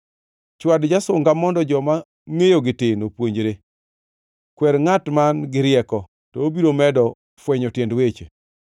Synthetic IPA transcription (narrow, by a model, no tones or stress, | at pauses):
t͡ʃwadd͡ʒasʊŋɡamɔndɔd͡ʒɔma | ŋejoɡɪtenopwoɲd͡ʒɾe | kwɛɾŋatmanɡɪɾɪɛkɔ | tɔobiɾomɛdɔ | fwɛɲɔtjendwet͡ʃe